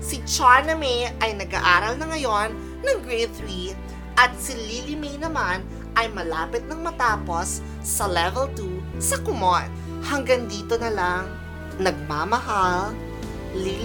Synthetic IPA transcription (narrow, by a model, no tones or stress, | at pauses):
sit͡ʃaɹnɐmiʔɐjnɐɡʔa̰ʔaːɾɐlnɐŋɐjo̞nː | ɐŋɡɹejθɾi | ʔɐt̪̚sililɪmejnɐman | ʔɐjmɐlaːpɪt̪̚nɐŋmɐt̪aːpo̞sː | ɐlɛvɛlt̪usɐkʊmot̪ | hɐŋɡaŋd̪iːt̪o̞nɐlaŋ | nɐɡ̚maːmɐɦal | li